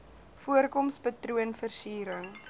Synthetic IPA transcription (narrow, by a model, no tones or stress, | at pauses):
fuərkɔmspɐtruənfərsiːɾəŋ